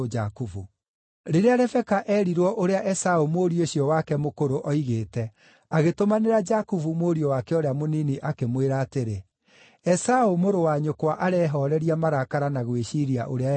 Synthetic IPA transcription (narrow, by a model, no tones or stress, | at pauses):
d͡ʒakuvu | ɾeɾeaɾɛfɛkaʔɛːɾiɾwɔʔoɾeaʔɛsaomoːɾioɕiɔwakɛmokoɾoʔɔiɣeːtɛ | aɣetomaneɾad͡ʒakuvumoːɾiɔwakɛɔɾeamoniniʔakemweɾaːteɾe | ɛsaomoɾowaɲokwaʔaɾɛɦɔɾɛɾiamaɾakaɾanaɣweɕiɾia̰ʔoɾea